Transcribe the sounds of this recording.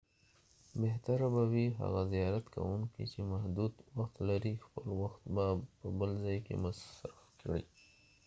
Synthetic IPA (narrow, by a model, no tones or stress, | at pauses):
beht̪aɾabawiɦa̰ɣazijɑɾat̪kʰa̰wuŋkḭt͡ʃemahd̪ud̪waxt̪laɾixpəlwaxt̪bapəbəlzɑjkḛmasɾafkɽḭ